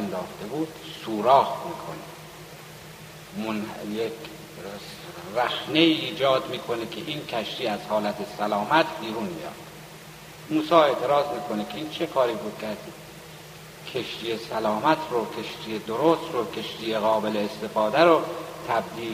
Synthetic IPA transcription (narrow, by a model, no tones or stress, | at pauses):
nd̪ɒːxt̪e̞buːd̪̥suːɾɒːhmiːkʰone | monjekʰ | s | ræxneiːiːd͡ʒɒːd̪miːkʰonekʲʰeʔiːnkʰæʃt̪iːæz̥hɒːlæt̪ʰe̞sælɒːmæt̪ʰbiːɾunmḭjɑ̰ːd̪̥ | muːsɒːe̞ːt̪ʰe̞ɾɑːzmiːkʰo̞nekʰeiːnt͡ʃʰe̞kʰɒːɾiːbuːd̪̚kʰææɾsi | kʰeʃt̪iːjesælɒːmæt̪ʰɾokʰe̞ʃt̪ijed̪oɾost̪ɾokʰe̞ʃt̪iːjeɣɒːbe̞leːst̪e̞fɒːd̪æɾot̪ʰæb̚d̪iː